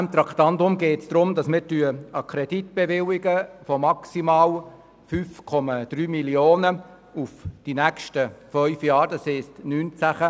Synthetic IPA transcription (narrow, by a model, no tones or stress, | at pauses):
ɛmt̪ɾɑkt̪ɑndʊmɡeːtsd̪̥ɾʊmd̥ɑsmɪɾtyəɑkʰɾɛd̥itb̥evɪwiɡəfɔmɑksimɑːl | fyːfkʰɔmɑd̥ɾyːmilioːnə | ufd̥inækʃtəfœʏfjɑːɾdɑshɛːstnyːnt͡sæχə